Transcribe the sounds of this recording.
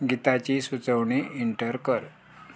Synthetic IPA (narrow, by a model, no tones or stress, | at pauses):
ɡit̪at͡ɕiːsut͡səwɳiːiɳʈəɾkəɾ